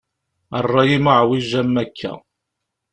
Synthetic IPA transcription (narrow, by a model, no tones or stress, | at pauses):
ərˤːɑjimaʕwiʒæmːækʰːæ̰